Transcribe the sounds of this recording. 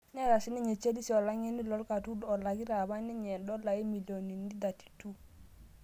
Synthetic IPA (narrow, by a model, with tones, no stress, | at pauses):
nɛ˦˨ɾa˨si˦ni˦ɲe˨t͡ʃe˦li˦si˨ɔ˨la˦ŋɛ˦ni˦lɔ˦lka˨tu˦dɔ˨la˨ɡi˦ɾa˨ba˦ni˦ɲɛ˨dɔ˦la˨i˦mi˨ljo˨ni˨n˦di˦da˨ti̥˨tu˦